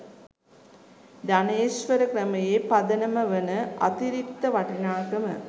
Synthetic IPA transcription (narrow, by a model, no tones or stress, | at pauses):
d̪aneːsʋɐɾəkɾɐmɐjeːpɐd̪ɐnɐmɐʋənəʔɐ̰t̪iɾikt̪ːɐʋɐʈɐnaːkɐmə̰